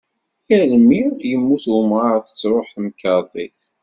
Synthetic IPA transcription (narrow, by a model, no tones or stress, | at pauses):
jælmːijəmːuθwəmʁɑɾˤθə̥t͡sːɾoħθmkɑɾˤt̪ˤiθ